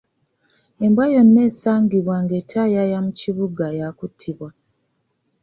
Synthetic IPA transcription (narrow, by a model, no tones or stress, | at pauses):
e̞mbwajo̞nːe̞ːsaːŋɡiβwaŋɡe̞tʰajajamuciβuɡajakutʰːiβwa